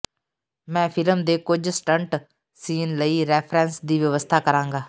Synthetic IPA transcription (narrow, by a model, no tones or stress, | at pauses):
mɛ̃ːpʰɪləmd̪eːkʊd͡ʒsʈəɳʈ | siːnləiːɾɛːpʰɾɛ̃ːnsd̪iːʋəʋəst̪ʰaːkəɾãːŋɡaː